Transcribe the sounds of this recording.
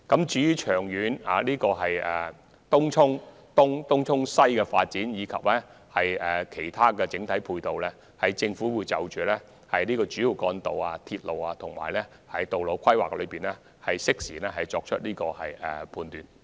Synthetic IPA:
kɐ˨˥mt͡ʃyː˨˥jyː˨˩t͡ʃʰœː˨˩ŋjyː˨˥na̰ː˨˩liː˥kɔː˧ɦɐ˨jɛ̰ː˨ | t̪ʊ˥ŋt͡ʃʰʊ˥ŋ | t̪ʊ˥ŋt̪ʊ˥ŋt͡sʰʊ˥ŋsɐ˥jkɛː˧fa̰ː˧t̚t͡siː˨˥njiː˨˧kʰɐ̰˨p̚lɛː˥ | hɐ˨jɛː˨kʰe˨˩jt̪ʰaː˥kɛː˧t͡sɪ˨˥ŋt̪ʰɐ˨˥jpʰuː˧jt̪o˨wlɛː˥ | hɐ˨jt͡sɪ˧ŋfuː˨˥wuː˨˧jt͡sɐ˨wt͡ʃyː˨˩lɛː˥ | hɐ˨jniː˥kɔː˧t͡ʃy˨˥jiː˨˩wkɔː˧nt̪o˨waː˧t̪ʰiː˧t̚lo˨waː˧t̪ʰʊ˨˩ŋma̰ː˨˩jlɛ˥ | hɐ˨˥jt̪o˨wlo˨˧wkʰɐ˥jwa̰ː˨k̚lɵ˨˧piː˨˩nlɛː˦˥ | hɐ˨jsɪ˥k̚siː˨˩lɛː˥ɦɐ˨jt͡ʃɔː˧k̚t͡ʃʰɵ˥t̚liː˥kɔː˧hɐ˨jɛ̰˨pʰuː˨˧nt̪yː˨n

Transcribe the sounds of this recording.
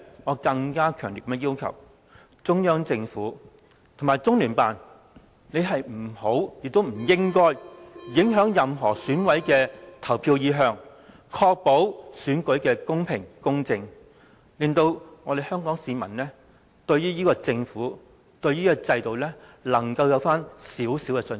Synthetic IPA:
ŋɔː˨˧kɐ˧ŋkaː˥kʰœː˨˩ŋli˨˩kɐ˦˥mɛ˥˧jiː˥wkʰɐ̰˨˩w | t͡sʊ˥ŋjœː˥ŋt͡sɪ˧ŋfuː˨˥ | t̪ʰʊ˨ŋmaː˨˩jt͡sʊ˥ŋlyː˨˩npaː˨n | ne˨˧jɦɐ˨jm̩˨˩ho˨˥wjɪ˨k̚t̪o˥wm̩˨˩jɪ˥ŋkɔː˥jjɪ˨˥ŋɦœː˨˥ŋjɐ˨mɦɔː˨˩syː˨˥nwɐ˨˥jkɛː˧t̪ʰɐ˨˩wpʰiː˧wjiː˨˧ɦœː˧ŋ | kʰɔː˧k̚po˨˥wsyː˨˥nkɵ˨˥ɥkɛː˧kʊ˥ŋpʰɪ˨˩ŋkʊ˥ŋt͡sɪ˧ŋ | liː˨nt̪o˧wŋɔː˧d̪e˨jhœː˥ŋkɔː˨˥ŋsiː˨˧mɐ̰˨˩nlɛː˥ | t̪ɵ˧ɥjyː˥jiː˥kɔː˧t͡sɪ˧ŋfuː˨˥ | t̪ɵ˧ɥjyː˥kɔ˧t͡sɐ˧jt̪o˨wlɛː˥lɐ˨˩ŋkɐ˧wjɐ˨˧wfaː˥nsiː˨˥wsi˨˥wkɛ˧sɵ˧n

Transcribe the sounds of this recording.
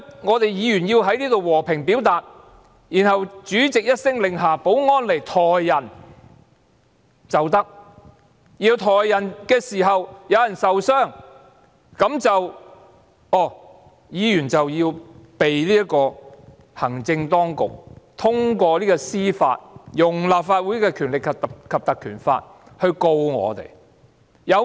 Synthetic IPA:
ŋɔː˨˧t̪e˨jiː˨˧jyː˨˩njiː˧wɦɐ˨˥jniː˥t̪o˨wwɔː˨˩pʰɪ˨˩ŋpiː˨˥wt̪aː˨t̚ | jiː˨˩nɦɐ˨wt͡ʃyː˨˥t͡sɪ˨k̚jɐ˥t̚sɪ˥ŋlɪ˨ŋɦaː˨˩po˨˥wŋɔː˥nle˨˩jt̪ʰɔː˨jːɐ˨˩n | t͡sɐ˨wt̪ɐ˥k̚ | jiː˧wt̪ʰɔː˨jːɐ˨˩nkɛː˧siː˨˩ɦɐ˨wjɐ˨˧wjɐ˨˩nsɐ˨wsœː˥˩ŋ | kɐ˨˥mt͡sɐ˨w | ɔː˨˩ | jiː˨˧jyː˨˩nt͡sɐ˨wjiː˧wpe˨jliː˥ɐ˥tkɔː˧ | hɐ˨˩ŋt͡sɪ˧ŋt̪ɔː˥ŋkʊ̰˨k̚t̪ʰʊ˥ŋkʷɔː˧liː˥kɔː˧siː˥fa̰ː˧t̚jʊ˨˩ŋlaː˨p̚faː˧t̚wu˨˥jkɛː˧kʰyː˨˩nlɪ˨kʰːkʰːɐ˨p̚t̪ɐ˨kʰyː˨˩nfa̰ː˧t̚ | hɵ˧ɥko˧wŋɔ̰ː˨˧t̪ḛ˨˩j | jɐ˨˧w

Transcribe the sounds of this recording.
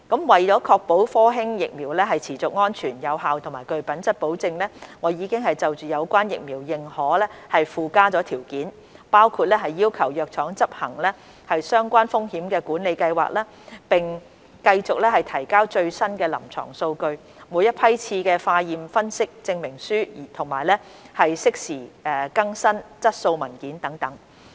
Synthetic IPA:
kɐ˨˥mwɐ˨jt͡sɔː˨˥kʰɔː˧k̚po˨˥wfɔː˥ɦɪ˥ŋjɪ˨k̚miː˨˩wlɛ˥ɦɐ˨jt͡sʰiː˨˩t͡sʊ˨k̚ŋɔː˥nt͡ʃʰyː˨˩njɐ˨˧wɦaː˨wt̪ʰʊ˨˩maː˨˩kɵ˧ɥpɐ˨˥nt͡sɐ˥t̚po˨˥wt͡sɪ˧ŋlɛː˥ŋɔː˨˧jiː˨˧kɪ˥ŋɦɐ˨jt͡sɐ˨wt͡ʃyː˨jɐ˨˧wkʷaː˥njɪ̰˨k̚miː˨˩wjɪ˨ŋhɔː˨˥lɛː˥hɐ˨jfuː˨˧kaː˥t͡sɔː˨˧˥t̪ʰiː˨˩wkiː˨˥n | paː˥wkʰuː˧t̚lɛː˥ɦɐ˨jːiː˥wkʰɐ˨˩wjœː˨k̚t͡ʃʰɔː˨˥ŋt͡sɐ˥p̚hɐ˨˩ŋlɛː˥ | hɐ˨jsœː˥ŋkʷaː˥nfʊ˥ŋhiː˨˥mkɛː˧kuː˨˥nle˨˧jkɐ˧jwa̰ː˨k̚lɛː˥ | pɪ˨˩ŋ | kɐ˧jt͡sʊ˨k̚lɛː˥hɐ˨jt̪ʰɐ˨˩jkaː˥wt͡ʃɵ˧ɥsɐ˥nkɛː˧lɐ̰˨˩mt͡ʃʰɔ̰ː˨˩ŋso˧wkɵ˧ɥ | muː˨˧jɐ˥t̚pʰɐ˥jt͡sʰiː˧kɛː˧faː˧jiː˨mfɐ˥nsɪ˥k̚t͡sɪ˧ŋmɪ˨˩ŋsyː˥˨˩t̪ʰʊ˨˩ŋma̰ː˨˩jlɛː˥ | hɐ˨jsɪ˥k̚siː˨˩ɛː˨˩kɐ˥ŋsɐ˥nt͡sɐ˥t̚so˧wmɐ˨˩nkiː˨˥nt̪ɐ˨˥ŋt̪ɐ˨˥ŋ

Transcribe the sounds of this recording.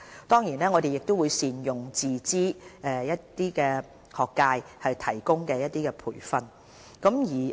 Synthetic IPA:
t̪ɔː˥ŋjiː˨˩nɛː˥ŋɔ˨˧d̪e˨jɪ˨k̚t̪o˥wuː˨˧jsiː˨njʊ˨˩ŋt͡siː˨˩t͡siː˥ɛː˨˧jɐ˥t̪iː˥kɛː˧ | hɔː˨kːaː˧jhɐ˨jt̪ʰɐ˨˩jkʊ˥ŋkɛː˧jɐ˥t̚t̪iː˥kɛ˧pʰṵː˨˩jfɐ˧n | kɐ˨˥mjiː˨˩

